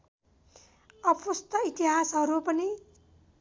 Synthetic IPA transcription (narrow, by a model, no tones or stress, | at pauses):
ʌpʰust̪ʌit̪iɦasɦʌɾupʌni